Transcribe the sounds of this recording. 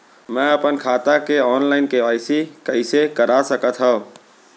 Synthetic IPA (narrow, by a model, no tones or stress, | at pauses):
mɛ̃əpənkʰaːt̪akeɔːnlaɪnkeʋaɪsikəɪsekəɾasəkət̪ɦə